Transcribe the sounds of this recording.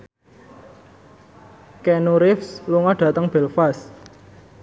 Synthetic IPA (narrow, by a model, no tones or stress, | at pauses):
kɛnuɾɪfsluŋɔɖ̥ä̤t̪əŋb̥ɛ̤lfas